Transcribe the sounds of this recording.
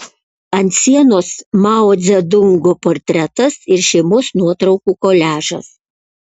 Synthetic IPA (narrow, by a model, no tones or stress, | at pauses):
ɐnʲt̪sʲiɛnoːsmɑoːd̪zʲɛd̪ʊŋɡoːpoːɾʲt̪ʲɾʲɛt̪ɐsɪɾʃʲɛɪmʊsnuɔt̪ɾɒʊkuːkoːlʲæːʒɐ̰s